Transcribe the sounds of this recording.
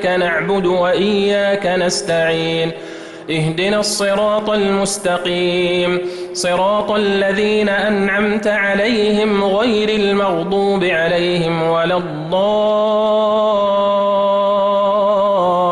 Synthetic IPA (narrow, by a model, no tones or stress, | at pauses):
kanaʕbʊd̪waʔɪjːaːkanast̪aʕiːn | ʔɪhd̪ɪnasˤːɨɾɑːt̪ˤalmʊst̪ɑqiːmsˤɨɾˤɑːt̪ˤalːaðiːnaʔanʕamt̪aʕalajhɪmɣajɾalmɑɣd̪ˤuːbɪʕalajhɪmwalɑd̪ˤːɑː